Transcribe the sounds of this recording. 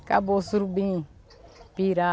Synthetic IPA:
ka̰bosuɾbĩ | piɾa

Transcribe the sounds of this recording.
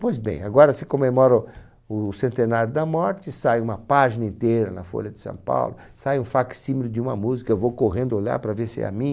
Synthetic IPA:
pojzbḛ̃j̃aɡɔɾɐsɪkõmemɔɾɐ | ʊsẽnt̪enaɾjʊd̪ɐmɔɾt͡ʃ̪ɪsajũmɐpaʒinɐĩnt̪ejɾɐ̰nɐfo̰ʎɐd̪ɪ̥sɐ̰̃w̃pa̰wlʊ | sajũfaksĩmilɪd͡ʒɪũmɐmuzikɐewvowkoɣẽnd̪ʊoʎa̰ɾpɾɐveɾsɪɛ̰mĩ

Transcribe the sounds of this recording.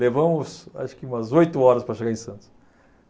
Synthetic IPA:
levɐ̃mʊsa̰ʃʊ̥kɪũmɐzojt̪ʊɔɾɐspɾɐʃeɡaɾẽj̃sɐ̃nt̪ʊs

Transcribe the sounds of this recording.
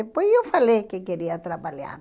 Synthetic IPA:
epwesewfalekekeɾiat̪ɾapalja̰ɾ

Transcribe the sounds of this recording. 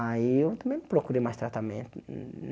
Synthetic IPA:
aiewt̪ɐ̃mbẽj̃mɪpɾokuɾejmajst̪ɾat̪amḛ̃nt̪ʊ

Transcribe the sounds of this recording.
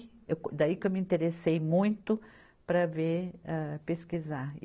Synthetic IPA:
ewkd̪aikewmĩnt̪eɾesejmũj̃t̪ʊ | pɾɐveɾɛpeskiza

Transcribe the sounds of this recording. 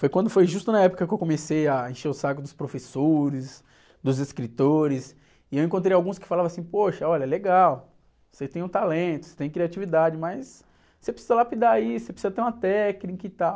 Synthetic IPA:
fojkwɐ̃nd̪ʊfojʒust̪ʊnɐɛpʊ̥kɐkɪewkõmesejaẽʃeʊsakʊd̪ʊspɾofesoɾɪs | d̪ʊzeskɾit̪oɾɪs | ɪewẽkõt̪ɾejawɡũskɪ̥falavɐ̃asĩpoʃɐɔʎɐɛleɡaw | set̪ẽj̃ũt̪alẽt̪ʊ̥se̥t̪ẽj̃kɾiat͡ʃivid̪ad͡ʒɪmɐjsː | epɾesizɐlapid̪aisepɾesizɐt̪eɾũm̃ɐt̪ɛknikɐɪt̪aw

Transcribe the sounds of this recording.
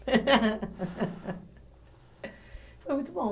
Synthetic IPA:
fojmũj̃t̪ubõ

